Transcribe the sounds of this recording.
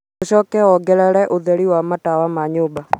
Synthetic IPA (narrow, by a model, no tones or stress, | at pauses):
oʃɔkɛɔɡɛɾɛɾɛʔoðɛɾiwamatawamaɲoːba